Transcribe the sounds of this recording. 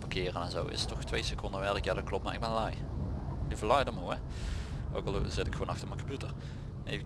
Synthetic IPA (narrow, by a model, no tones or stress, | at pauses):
pɑkɪːrənɛnzowɪ̰sə̥tɔxtʋejsəkɔndəʋɛɹəkjaːdɑt̚klɔpmaːʔɪɡ̚bɛnlɑjlivəlɑjdəmoɛ | o̰wkɑlˠzɪtɪkxwoːnɑxtəɹmɛnkompjutər | nḛj